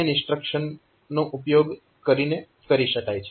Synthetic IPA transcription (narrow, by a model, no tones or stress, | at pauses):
eɪ̃sʈɾəkʃən | noʔupjoɡ | kəɾine | kəɾiʃəkajt͡ʃʰe